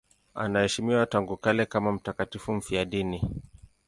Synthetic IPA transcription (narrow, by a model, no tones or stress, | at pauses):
a̰nahɛʃimiwataŋɡukalɛkamam̩takatifum̩fiaɗini